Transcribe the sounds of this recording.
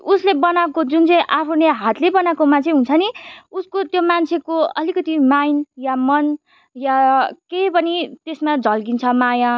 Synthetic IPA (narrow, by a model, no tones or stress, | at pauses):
uslebʌnakod͡zunt͡sʌ̃ĩʔapʰuneɦat̪lebʌnakomant͡sʰeɦũnt͡sʰʌniuskot̪jomant͡sʰekoʌ̰likʌt̪imajnjamʌn | jakejpʌnit̪esmad͡zʌlɡint͡sʰʌmaja